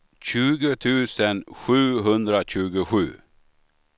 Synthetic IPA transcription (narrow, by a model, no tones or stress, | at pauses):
c͡çʉːɡət̪ʰʉːsənɧʉːɦɵnd̪ɾəc͡çʉːɡəɧʉ̰ː